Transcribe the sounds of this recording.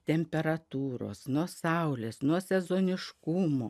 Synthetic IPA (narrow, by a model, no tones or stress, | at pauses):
t̪ʲɛmʲpʲɛɾɐt̪uːɾo̰ːsnuɔsɐʊlʲeːsnuɔsʲɛzoːnʲɪʃkumoː